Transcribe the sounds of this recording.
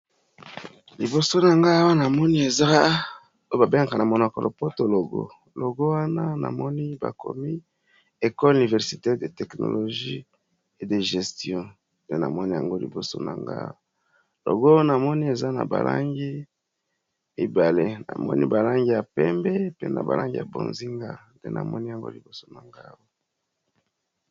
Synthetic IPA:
li˨bo˨so˦na˨ŋɡa˦wa˦na˨mɔ˦ni˦e˨za˦ | o˦ba˨be˦ŋa˨ka˨na˨mo˨no˨ko˨lʔo˨po˦to˨lo˨ɡo̰˦ | lo˨ɡo˦wa˦na˦na̰˨mɔ˦ni˦ba̰˨ko̰˨mi˦ | e˨kɔ˦lu˨ni˨vɛ˨ʁsi˨tɛ˦de˨tɛ˨kno̰˨lo˨ʒi˦ | e˨de˨ʒe˨stjɔ̃˦ | nde˦na˨mɔ˦ni˦ja˨ŋɡo˦li˨bo˨so̰˦na˨ŋɡa̰˦o˨ | lo̰˨ɡo˦na˨mɔ˦ni˦e˨za˦na̰˨ba˨lʔa˦ŋɡi˦ | i˨ba˨le˦na̰˨mɔ˦ni˦ba˨la˦ŋɡi˦ja˨pɛ˦mbɛ˦pe˦na˨ba̰˨la˦ŋɡi˦ja˨bo̰˨nzi˦ŋɡa˦ndḛ˦nʔa̰˨mɔ˦ni˦ja˨ŋɡo̰˦li˨bo˨so˦na˨ŋɡa˦wo˨

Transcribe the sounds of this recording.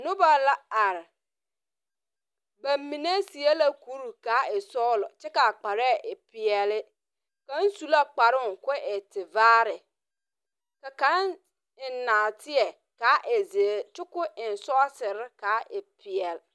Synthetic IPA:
nʊ̃˦ba˨la˦a˨ɾ | bã˨m˦mĩ˨n˦a˦si˨a˦la˦ku˦ɾu˨kaː˨˦ɛ˨sɔ˦lɔ˨t͡ɕʰɪ˦ka˨k͡pa˨ɾɛ˦˨ʔɛ˨pʰi˨ɛ˨lɪ˦ | kã˦n˦su˦la˦k͡pa˨ɾɪ˦ʊ˨ŋ̩˨kʰʊ˦ʔɛ˨tʰɪ˨vaː˦ɾɪ˨ | ka˨kã˨˦n | ɪ˨n˨˦nãː˨tʰɪ˦ɛ˨ | ka˨˦ʔe˨zi˨e˨t͡ʃʊ˦kʊ˦ɪ˨n̩˨sʊ˦a˦sɪ˨ɾɪ˦kʰaː˨˦ʔɛ˨pʰi˨ɛ˨l

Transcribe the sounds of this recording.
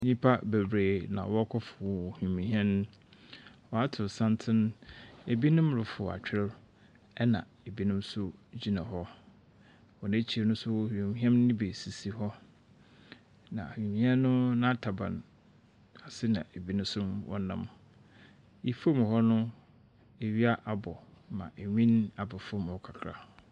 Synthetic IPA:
ɲĩ˦pʰa˦be˨bɾeː˨nã̰˨wɔ˦kʰɔ˦fʊ˨whĩ˨mĩ˨hɛ̃˦n˦ | wɔ˨a˦tʰɪ˨sã˦ntʰɪ̃˦ne˨bi˦nʊ̃˦mɾʊ˨fʊ˨a̰˨t͡ɕᶣɪ˦l | ɛ˦nã̰˨ | e˨bi˦nʊ̃˦msʊ˦d͡ʑi˦nã˨ɦɔ˦ | wɔ˨nẽ˦t͡ɕʰi˦e˨nʊ̃˦sʊ˦hũ˨mĩ˨ɦɛ̃˦m˦nɪ̃˦be˨si˨si˨ɦɔ˦ | nã˨ĩ˨mĩ˦a˦nʊ̃˦nã˦tʰa˨bã̰˨n | a˨sɪ˦nã̰˨e˨bi˦nʊ̃˦sʊ˦mwʔɔ̰˦nã̰˦m | i˨fo˦m˨hɔ˦nʊ̃˦ | e˨ɥi˦a˦ʔa˨bɔ˨mã̰˨ʔe˨ɲĩ˦na˨bɔ˨fo˦˨mɔ˨kʰa˨kʰɾa˨

